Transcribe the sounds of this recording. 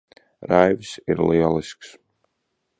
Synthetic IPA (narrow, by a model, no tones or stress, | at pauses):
ɾajvsḭɾliɛlˠisks